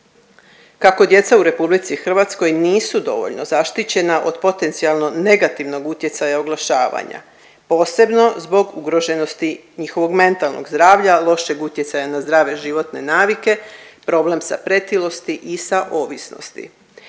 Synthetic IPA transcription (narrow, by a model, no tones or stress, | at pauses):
kako̞d̪je̞t̪sauɾe̞publit̪sixr̩ʋat̪sko̞jniːsud̪o̞̰ʋo̞̰ʎno̞zaʃt̪it͡ɕe̞naʔo̞d̪po̞t̪e̞nt̪sialˠno̞ne̞ɡat̪iʋno̞ɡut̪je̞t̪sajaoɡlˠaʃaːʋa̰ɲa̰ | po̞ːse̞bno̞zbo̞ɡuɡɾo̞ʒe̞no̞st̪iɲixo̞ʋo̞ɡme̞nt̪alˠno̰ɡzd̪ɾaːʋʎalˠo̞ʃe̞ɡut̪je̞t̪sajanazd̪ɾaːʋe̞ʒiʋo̞t̪ne̞naːʋike̞pɾo̞ble̞msa̰pɾe̞t̪ilo̞st̪iʔisaʔo̞ʋisno̰st̪ḭ